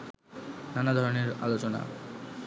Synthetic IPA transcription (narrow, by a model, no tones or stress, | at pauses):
nanad̪ʱɔɾoneɾa̰lot͡ɕona̰